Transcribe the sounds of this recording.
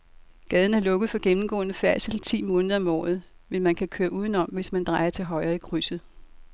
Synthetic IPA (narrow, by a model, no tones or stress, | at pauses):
ɡ̥ɛːð̞ˠn̩æɐlɔ̽ɡ̥ð̞̩ˠfɒ̽ɡ̥emm̩ɡ̥ɔ̰̽ːnəfæɐ̰̥silt͡sʰḭːmɔ̽ːnðˠɐɒ̽mɒ̰ːð̩ˠmenmænkʰækʰøːɐʔuːðˠn̩ɒ̽mʋe̝smænd̥ʁɑ̈ɪɐt͡sʰe̝lɦɒ̽ɪɐːikʰʁysð̩ˠ